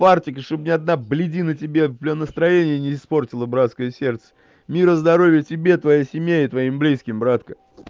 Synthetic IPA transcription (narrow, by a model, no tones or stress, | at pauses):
partʲɪkəʂt̪obnʲɪɐd̪nablʲɪdʲinətʲɪbʲe̞vblʲonəst̪ɾɐjenʲɪjənʲɪːspo̞rtʲɪlˠəbɾat̪skəjəsʲe̞rt̪sə̥ | mʲiɾəzd̪ɐɾo̞vʲɪjətʲɪbʲe̞t̪vɐjasʲɪmʲjaɪt̪vɐimblʲiskʲɪmbɾat̪kə